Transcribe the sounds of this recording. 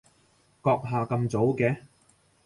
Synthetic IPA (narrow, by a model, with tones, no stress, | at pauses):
kɔː˧k̚ɦaː˨kɐ˧mt͡so˨˥wkɛː˧